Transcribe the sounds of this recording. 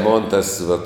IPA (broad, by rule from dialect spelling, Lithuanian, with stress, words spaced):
ˈmoːn ˈtɐs ʋɐt